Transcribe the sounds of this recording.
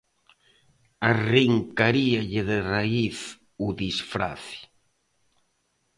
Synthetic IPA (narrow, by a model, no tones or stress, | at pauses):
ariŋkaɾiaʎɪðeraiθ | uðisfɾa̰θi̥